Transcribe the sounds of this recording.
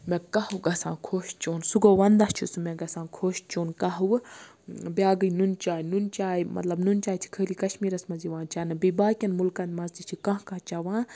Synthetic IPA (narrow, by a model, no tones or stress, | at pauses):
mẽkɐhuɡɐsã̰ːkʰoːʃt͡ʃoːnsuɡoʋɐnd̪ɐt͡ʃʰusumɛ̃ɡɐsãːkʰoːʃt͡ʃoːnkɐɦuw | bjaːɡɨjnunt͡ʃaːjnunt͡ʃaːjmʔɐ̰t̪lɐbnunt͡ʃaːt͡ʃ̪ʰi̥kʰəːlikɐʃmiːɾɐsmɐziʋãːnt͡ʃaːnɨbibaːkʲɐnmulkɐnd̪mɐzt͡ʃ̪it͡ʃʰikɐ̃ɦkɐt͡ʃɐʋãː